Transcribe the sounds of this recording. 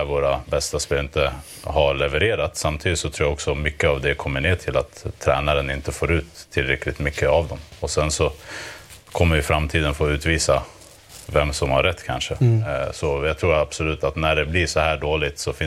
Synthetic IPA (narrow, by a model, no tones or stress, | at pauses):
ɾvoːɾabɛst̪aspeːlɪnt̪ə | ɦaɭɛvəɾeːɾat̪samt̪ʰiːd̪ɪt̪sɔt̪ʰɾuːjaɡɔksɔmʏkːəavd̪ɛkʰɔmːəɳeːt̪ʰɪla̰t̪ʰːɾɛːnaɾənɪnt̪əfoːɾʉ̟ːt̪ʰːɪlɾɛklɪt̪mʏkːəavd̪ɔmɔsɛnsɔ | kʰɔmːəvɪfɾamːt̪ʰiːd̪ənfoːʉ̟ːt̪viːsa | vɛmːsɔmhaɾːɛt̪ːkʰanʂəsɔjat̪ʰɾuːɾab̥sɔlʉ̟ːt̪at̪næɖɛblɪʂɔhæːɖoːlɪt̪sɔfɪ